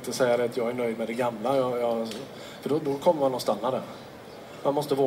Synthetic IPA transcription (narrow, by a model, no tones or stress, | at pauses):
t̪ːəsɛjːaɾɛat̪ʰjɑːɡæɳœʏd̪mɛd̪ɛɡamlajɑjɑ | fœɖɔd̪ɔkʰɔmːəɾmanːɔnst̪anːad̪ɛɾ | manmɔst̪əvoː